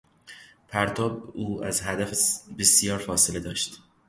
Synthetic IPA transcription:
pʰæɾt̪ʰɒːbuːæ̰zɦæd̪æfbesjɒːɾfɒːse̞le̞d̪ɒːʃt̪

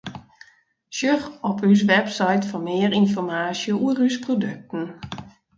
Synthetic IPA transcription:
ʃjøxɔpys̬ʋɛpsajtfɔnmɪərinfɔrmaːsjəʔuərysprodøk̚tən̩

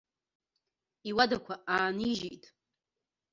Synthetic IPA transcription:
iwadakʷʰaaːniʒijtʼ

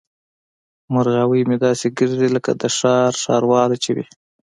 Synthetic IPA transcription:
mʊɾɣawəjmed̪ɑseɡəɾd̪iləkad̪əʃɑɾʃɑ̰ɾwɑlat͡ʃewḭ

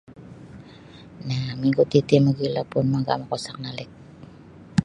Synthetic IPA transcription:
namiŋɡut̪it̪imaɡilapʊnmaɡa̰makosak̚nalɪk̚

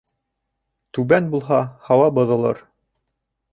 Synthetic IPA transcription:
t̪ʉbænbulˠɦɑhɑwɑbɤ̆ðɤ̆lˠɤ̰ɾ

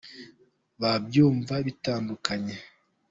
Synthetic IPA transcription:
βab̚juːɱvaβitaːndukʰaɲe

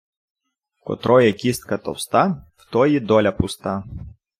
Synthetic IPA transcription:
kɔ̰t̪ɾɔjɛkʲist̪̚kɐt̪ɔ̰wst̪ɑwt̪ɔjid̪ɔlʲɐpʊst̪ɑ

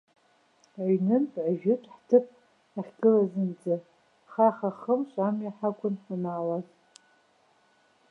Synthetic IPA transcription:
aɥnɨnpʼʕaʒɪtʼħtʰɨpʼ | aχʲɡɨlazɨnd͡zɨ | χaχaχəmʃʷʼamjaħakʷʼʊnħamalazʼ

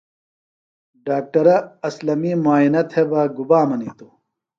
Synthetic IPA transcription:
ɖaːk̚ʈɐɾɐɐslɐmimaːinɐt̪ʰebaːɡubaːmɐniːt̪o

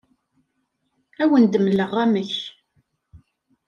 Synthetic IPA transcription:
æwənd̪əmləʁːæməç

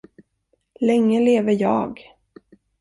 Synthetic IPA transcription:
lɛŋːəleːvəɾjɑ̰ːɡ

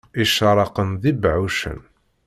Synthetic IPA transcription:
iʃəɾˤɑqənðibʕuʃə̰n

